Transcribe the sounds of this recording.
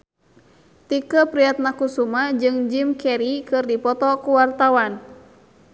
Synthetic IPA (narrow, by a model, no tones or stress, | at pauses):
t̪ikəpɾiat̪̚nakusumad͡ʒɨŋd͡ʒimkɛɾikɨrdipɔt̪ɔkuwart̪awan